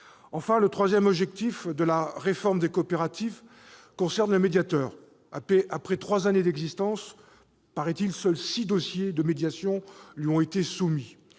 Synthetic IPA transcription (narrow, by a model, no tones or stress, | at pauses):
ɑ̃fɛ̃lət̪χwazjɛmɔbʒɛk̚t̪ifd̪əlaʁefɔʁmd̪ekoːpeʁat̪iv | kɔ̃sɛʁnləmed̪jat̪œːʁ | apɛʔapχɛt̪χwazaned̪ɛɡzist̪ɑ̃s | paʁɛt̪ilsœlsid̪osjed̪əmed̪jasjɔ̃lɥiɔ̃et̪esumi